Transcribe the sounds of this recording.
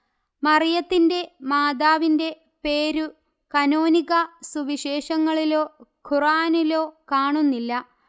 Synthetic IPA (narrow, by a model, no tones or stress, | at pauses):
mɐrijɐt̪ːinde̞maːd̪aːʋinde̞ | pe̞ːɾu | kɐnoːniɣɐsuʋiɕe̞ːʂɐŋːɐɭilo̞ːkʰuraːnilo̞ːkaːɳunːilːɐ